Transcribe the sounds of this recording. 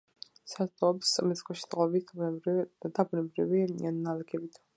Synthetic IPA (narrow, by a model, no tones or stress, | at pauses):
sat̪ʰɔːpsmɛskʰʼɔʃi̥qʼɔbi | d̪abunɛbɾivinannalɛɡʰɛbit̪ʰ